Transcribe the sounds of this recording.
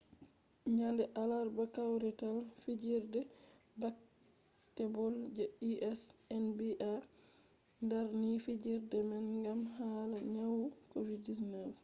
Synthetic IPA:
ɲandɛʔalaɾbakawɾɛtalfid͡ʒiɾdɛ | bak | tɛbɔld͡ʒɛiʔɛsɛnbiʔa | ndaɾnifid͡ʒiɾdɛmɛnŋɡamɦaːlaɲawkoviddisnəf

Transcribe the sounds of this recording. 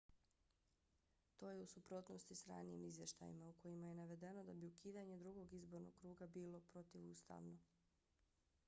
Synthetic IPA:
t̪o̞ːjeusupɾo̞t̪nost̪isɾa̰ːnijḭmizʋje̞ʃt̪a̰jḭmauko̞jimaje̞naʋe̞d̪e̞no̞d̪abiukiːd̪aɲe̞d̪ɾuɡo̞ɡizbo̞ɾno̞̰ɡkːɾuːɡabiːlˠo̞pɾo̞t̪iʋuːst̪a̰ʋno

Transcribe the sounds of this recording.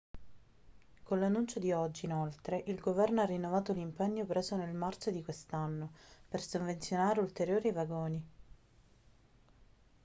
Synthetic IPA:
konlanːunt͡ʃod̪iɔd͡ʒːiːnolt̪ɾeʔilɡovɛrnoarːinːovaːt̪olimpɛɲːopɾeːzonelmart͡ʃod̪ikwest̪anːopersoɱvent̪sjonaːɾeult̪eɾjoːɾivaɡoːni

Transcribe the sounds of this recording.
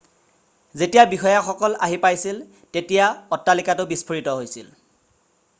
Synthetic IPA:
zetijabixɔjaxɔkɔlaɦipajsil | tetijaɔtːalikatʊbispʰoɹitɔɦojsil

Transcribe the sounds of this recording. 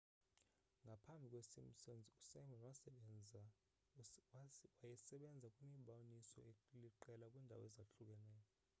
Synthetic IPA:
ŋɡʱapʰambʱikʼwesim̩sɔnd͡zʱiusajmanwa | wajɛsɛɓɛnd͡zʱakʼwimiɓawnisɔ̰ekliǃɛlakʼwiːndʱa̰wɔ̰ɛzaɬuk̬ʼɛnɛːjɔ

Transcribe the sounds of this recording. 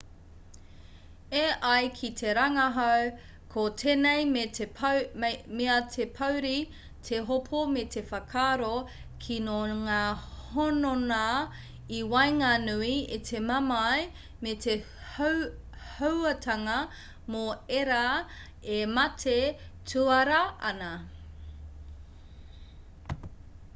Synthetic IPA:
eʔɐjkʰit̪ʰeɾɐŋɐɦaw | kʰot̪ʰeːnejme | meɐt̪ʰepʰɐwɾi | t̪ʰeɦopʰomet̪ʰefɐkʰaːɾo | kʰinoŋaːhonona | iwajŋanuiet̪ʰemɐmaj | mete | howɐtʰɐŋɐ | moeɾa | emɐtʰetʰuɐɾɐʔɐ̰nɐ

